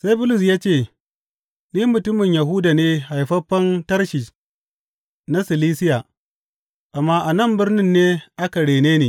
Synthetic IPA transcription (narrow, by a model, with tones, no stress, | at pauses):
sa˦jbʊ˦lʊ˨s̬jaː˦t͡ʃeː˦˨ | niː˦mʊ˨tʊ˦mɪ˨ɲja˨ɦʊ˦da˨neː˦ha˨jɸɐ˦ɸːɐ˦ntɐ˦rʃi˨ | na˦sɪ˨liː˦sɪ˦ja˨ | ʔa˨mːaː˦ʔa˨nɐ˦˨mbɪ˦rnɪ˦nːeː˦ʔa˦ka˨ɽeː˨neː˦neː˨